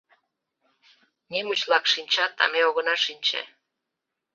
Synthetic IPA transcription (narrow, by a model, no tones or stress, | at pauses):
nʲemət͡ɕlɑkʃinʲt͡ɕɑt̪ɑ̰meoɣə̆nɑʃinʲt͡ɕḛ